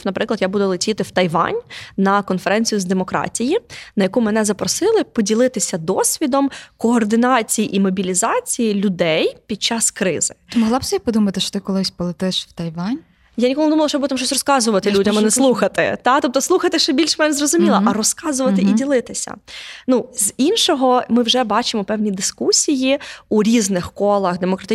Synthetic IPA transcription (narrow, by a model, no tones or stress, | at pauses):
nɐpɾɪklˠɐd̪jabud̪ʊlˠetʲit̪ɪwt̪ɐjʋɑ̰nʲnɐkɔnfɛɾɛnʲt͡sʲijʊzd̪emɔkɾɑ̰tʲijinɐjɐkumɛnɛzɐpɾɔsɪlˠɪpɔdʲilˠɪt̪ɪsʲɐd̪ɔsʲʋʲid̪ɔmkɔːrd̪ɪnɑt͡sʲijiʔimɔbʲilʲizɑt͡sʲijilʲʊd̪ɛjpʲid̪̥̚t͡ʃɑskɾɪ̰z̥ɪmɔɦlˠɑbsʲɛipɔd̪umɐt̪ɪʃɔ̥t̪ɪkɔlˠɪsʲpɔlˠɪt̪ɪʃw̥t̪ɐjʋɑnʲ | janʲikɔlˠnd̪umlˠʃt͡ʃɔbot̪ɐmʃt͡ʃɔs̬ʲrɔskɑzʊʋɐt̪ɪlʲudʲɐmɐnɛslˠuxɐt̪ɪ̰t̪ɑt̪ɔp̚t̪ɔsˠuxɐt̪ɪʃt͡ʃɛbʲilʲʃmɛnzrɔzʊmʲilˠɐʔɐɾɔskɑzʊʋɐt̪ɪʔidʲilˠɪt̪ɪsʲɐ̰nuzʲinʃɔɦɔmɪwʒɛbɑt͡ʃɪmɔpɛwnʲid̪ɪskusʲijiuɾʲiznɪxkɔlˠɐxd̪emɔkɾɐt̪ɪ